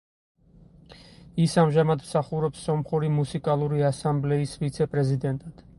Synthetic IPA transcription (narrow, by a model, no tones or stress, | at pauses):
isamʒamad̪msaχuɾɔpsːɔmχuɾimusikʼalˠuɾiasamblɛisvit̪sʰɛpʼɾɛzid̪ɛnt̪ʼad̪̥